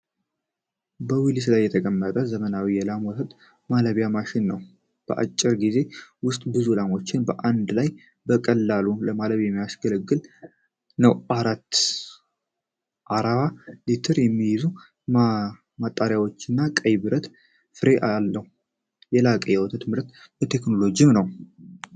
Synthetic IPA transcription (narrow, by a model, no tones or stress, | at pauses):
bəwilis̬lajːɛt̪ʰəkʼəmːət̪ʼəzəmənawijɛlamwɔt̪ʰət̪ʼ | maləβjamaʃɪnːəw | b̥ə̰ʔa̰t͡ʃʼːɪɾɡize̞wʊst̪ʼbɨzulamo̞t͡ʃːɪnbəʔand̪laj | bəkʼəlːaluləmaləβjɛmːijasɡəlɡːɨl | nəwʔaɾat̪ː | ʔaɾaβalit̪ʰɨɾjɛmːijɪzu | m | mat̪ʼːaɾjawo̞t͡ʃːɪnːakʼəjbɨɾət̪ | fɨɾe̞ʔalːəhu | jɛlakʼəjɛwɔt̪ʰət̪mɨɾət̪ | bət̪ʰe̞kno̞lo̞d͡ʒijɪmnəw